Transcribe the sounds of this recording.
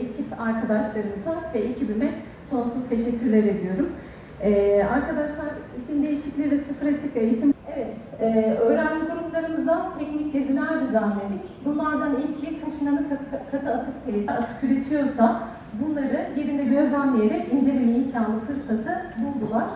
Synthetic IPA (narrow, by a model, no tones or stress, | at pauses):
ecʰipaɾkʰad̪aʃlˠaɾɯmɯzavɛecʰibimɛ | so̞nsuz̥t̪ʰe̞ʃɛcʰʲːyɾlʲɛɾe̞d̪ijo̞ɾum | ɛːaɾkad̪aʃlˠaɾit̪ʰind̪e̞jiʃiclʲeid̪ɛsɯfɯɾat̪ʰɯkejit̪ʰime̞vɛt̪ | ɛːø̞ːɾænd͡ʒibuɾuplˠaɾɯmɯzat̪ʰɛcnic̚d̪ʲezinʲæɾd̪izanlʲed̪icbunlˠaɾd̪anilʲcʰikʰaʃɯnanɯkʰkʰat̪ʰɯat̪ʰɯk̚t̪ʰeisat̪ʰɯ̥kyɾet̪ʰijo̞ɾsa | bunlˠaɾɯje̞ɾind̪ɛɟø̞zlʲænmije̞ɾɛcind͡ʒe̞ɾimejicʰænbufɯɾsat̪ʰɯbub̪uvˠaɾ̥